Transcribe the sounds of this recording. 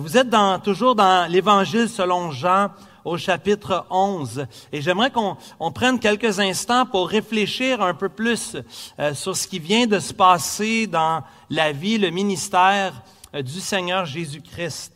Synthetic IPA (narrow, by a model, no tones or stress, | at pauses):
vuzɛt̪̚d̪ɑ̃t̪uʒuːʁd̪ɑ̃levɑ̃ʒilsəlɔ̃ʒɑ̃ | oʃapɪt̪χəɔ̃zeʒɛmʁɛkɔ̃ːpχɛnkʲɛlkʲəzɛ̃st̪ɑ̃pʊʁːefleʃiːʁɛ̃pøplyssyʁsə̥kʲivjɛ̃d̪əsə̥pɑːsed̪ɑ̃ | laviləminist̪ɛːʁ | d̪ysɛɲœːʁʒezykʲʁɪst̪